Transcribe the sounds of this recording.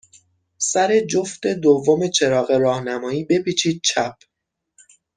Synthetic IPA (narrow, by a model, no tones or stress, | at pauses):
sæɾe̞d͡ʒo̞ft̪e̞d̪ovːome̞t͡ʃʰe̞ɾɒːɣe̞ɾɒːhnæmɒːiːbe̞piːt͡ʃʰiːd̪̥̚t͡ʃʰæp̚ʰ